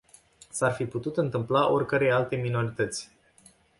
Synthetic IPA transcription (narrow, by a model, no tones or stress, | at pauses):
sarfiput̪ut̪ɨnt̪ɨmplaʔo̞rʲkəɾe̞jalt̪e̞mino̞ɾit̪ət̪sʲ